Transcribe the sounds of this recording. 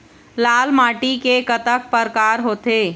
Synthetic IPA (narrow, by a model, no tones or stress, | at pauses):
laːlmaːʈikekət̪ək̚pəɾkaːɾɦoːt̪eː